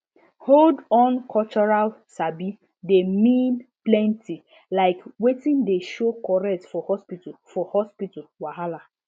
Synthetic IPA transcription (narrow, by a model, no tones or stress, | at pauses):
holdɔ̃nkʰɔlt͡ʃɔɹalsabi | demĩnplɛ̃ntʰi | laɪkwetĩndeʃokɔɹɛk̚tfɔhɔspitfɔhɔspitalwaɦala